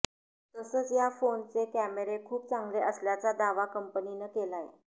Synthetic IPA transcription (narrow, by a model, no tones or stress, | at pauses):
t̪əsəːt͡sjafont͡sekæmeɾekʰuːp̚t͡saŋɡleʔəsljat͡sad̪aʋakəmpəninəkelajḛ